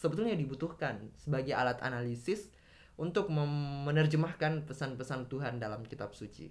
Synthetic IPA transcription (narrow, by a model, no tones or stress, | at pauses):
səbət̪ulɲadibut̪uhkansəbaɡaa̰lat̪a̰nalisɪs | unt̪ʊk̚məːənərd͡ʒəmahkanpəsanpəsant̪uɦandalamkit̪ap̚sut͡ʃḭ